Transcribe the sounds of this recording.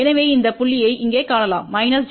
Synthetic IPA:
ɛnɐʋeːɪnd̪ɐpʊɭːɪjɐɪɪŋɡeːkaːlɐla̰ːmːɐɪnɐl

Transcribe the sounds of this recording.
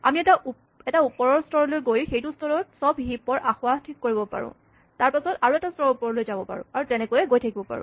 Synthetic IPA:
a̰miɛta | ɛtaupɔɹɔɹstʰɔɹɔlojɡojxejtustʰɔɹɔt̚sɔbɦipɔɹʔaxwatʰikːoɹibɔpa̰ɹʊ̰̃ | taɹpasɔtaɹuɛtastʰɔɹupɔɹɔlojzabɔpa̰ɹʊ̰̃aɹutɛnɛkojɛɡojtʰakibɔpa̰ɹʊ̰̃

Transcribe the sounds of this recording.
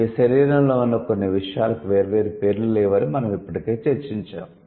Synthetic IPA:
iʃɐɾiːɾɐmlo̞ːunːɐkonːiʋiʂɐjaːlɐkuʋe̞ːɾɐʋe̞ːɾupe̞ːɾlulɛːʋɐɾimɐnɐmipːɐʈike̞ːt͡ʃeɾt͡ʃiɲt͡ʃa̰ːm

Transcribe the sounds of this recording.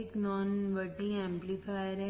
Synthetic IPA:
ɪknɔːnʋəʈĩɛ̃ːmplifajəɾɦɛ

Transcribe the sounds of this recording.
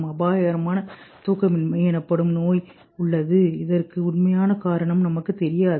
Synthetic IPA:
mɐbaːjɐɐɾɐmaːnɐt̪uːkːɐmɪnmɐɪɛnɐpːɐɽɯmnoːj | ʊɭːɐðɯɪðɐrkɯʊɳmɐjaːnɐkaːɾɐɳɐmnɐmɐkːɯt̪ːɛɾɪjaːð

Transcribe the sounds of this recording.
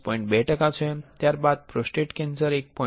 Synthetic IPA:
pɔ̃ĩɳʈ̚bɛʈəkat͡sʰoẽt̪jaɾbad̪̚pɾosʈɾeʈkensəɾek̚pɔ̃

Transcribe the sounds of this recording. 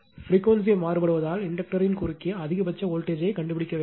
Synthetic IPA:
fɾiːkːʋɐns̬iɐmaːɾɯpɐɽɯʋɐðaːlɪɳɖɐk̚ʈɐɾɪnkʊɾɪkːɪjɐɐðɪɣɐpɐt͡ʃːɐoːlʈeːd͡ʒɐɪkɐɳɖɯpːɪɽɪkːɐʋeː

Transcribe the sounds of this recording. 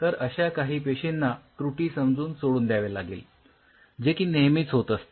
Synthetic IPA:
t̪əɾəɕakaɦiːpeɕenːakɾuʈiːsəmd͡zuːnsoɽuːnd̪jaʋelaɡiːl | d͡ʑekiːnemiːt͡sɦot̪əst̪e

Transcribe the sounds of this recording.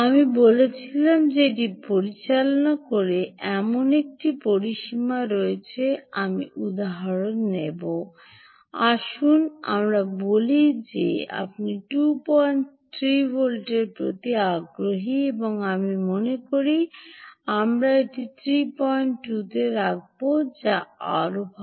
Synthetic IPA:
amibolet͡ɕʰilamd͡ʑeʈ̬ipoɾit͡ɕalonakoɾeʔɛmonek̚ʈipoɾiʃimaɾoet͡ɕʰeamiʔud̪aɦaɾonːebo | aʃuna̰mɾabolid͡ʑḛa̰p̚niʈupɔjntʰɾibʱolʈeɾpɾot̪iaɡɾoɦieboŋamimonekoɾi | amɾaeʈit̪ʰɾipɔjɳʈːut̪eɾak̚bod͡ʑaa̰ɾobʱa

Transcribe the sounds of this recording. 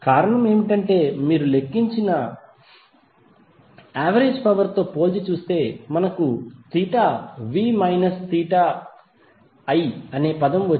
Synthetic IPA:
kaːɾɐɳɐme̞ːmiʈɐɳʈe̞ːmiːɾule̞kːiɲt͡ʃinɐ | aːʋɐɾeːd͡ʒpɐʋɐɾt̪o̞ːpo̞ːt͡ʃit͡ʃuːst̪e̞ːmɐnɐkut̪iːʈaːʋiːmɐjnɐst̪iːʈaː | ɐjɐne̞ːpɐd̪ɐmʋɐ

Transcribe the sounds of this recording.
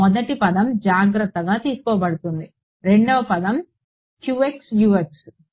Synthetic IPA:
mɔd̪ɐʈipɐd̪ɐmd͡ʒaːɡɾɐt̪ːɐɡaːt̪iːsu̥kɔːbɐɽut̪und̪i | ɾe̞ɳɖɐʋɐpɐd̪ɐm | kjuːeksjuːeks

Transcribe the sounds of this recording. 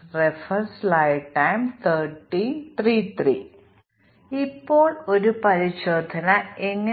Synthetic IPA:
refɐnslajʋʈːɐjmt̪ʰəʈːit̪rit̪rḭː | ipːo̞ːɭo̞ɾupɐɾiɕo̞ːd̪ʱɐnɐeŋːɐ

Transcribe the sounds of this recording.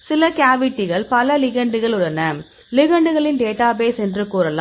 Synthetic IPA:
sɪlɐkaːʋɪʈːɪɣɐɭpɐlɐlɪɣɐɳɖɯɣɐɭʊɽɐnɐ | lɪɣɐɳɖɯɣɐɭɪnɖeːʈːaːbeːsɛndrɯkuːɾɐlaː

